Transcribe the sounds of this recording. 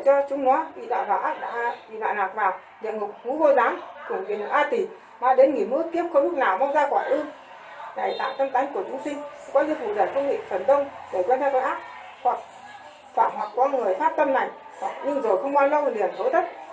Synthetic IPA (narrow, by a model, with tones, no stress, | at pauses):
t͡ɕɔ˧t͡ɕʊ˨˦ŋ͡mnɔ˨˦ɓḭ˧˨ɗa̰ː˧˨nvaː˨˩ʔaː˦˥k̚ɗa̰ː˧˥ɓḭ˧˨ɗwa̰ː˧˨naː˨˩k̚vaː˨˩w | ɗḭ˧˨əŋʊ˨˩k͡p̚hu˨˦ho˧˩jzaː˨˦ŋku˧˩əŋvḭ˨˩ən˨˩ʔaː˧t̪i˨˩ | maː˧˩ɗe˨˦nŋi˨˩nmɨ˧˥əki˦˥əp̚xə˧wŋ͡mɗu˦˥k̚naː˨˩wma˧wŋ͡mzaː˧kwaː˧˩jʔɨ˧ŋ | ɗa˧˩jt̪a̰ː˧˨t̪ə˧mt̪a˨˦jŋ̟ku˧˩ət͡ɕʊ˨˦ŋ͡msï˧ŋ̟kɔ˨˦zɨ˧ək̚fṵ˧˨ɗəː˨˩kə˧wŋ͡mŋḭ˧˨fə˨˩nɗə˧wŋ͡mɗe˧˩kwɛ˧nt̪ʰa˧˩ka˧˩ʔaː˦˥k̚ | hwa˨˩k̚ | faː˧˩mɦwa˨˩k̚kɔ˨˦ŋɨ˨˩əjfaː˦˥p̚t̪ə˧mna˧˨˩jŋ̟ | hɲɨ˧ŋzo˨˩jxə˧wŋ͡mkwaː˧nlə˧wli˨˩ənt̪ʰo˨˦jt̪ʰə˦˥t̚